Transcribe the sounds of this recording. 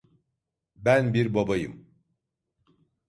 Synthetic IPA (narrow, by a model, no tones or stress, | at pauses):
bænbiɾbabajɯ̰m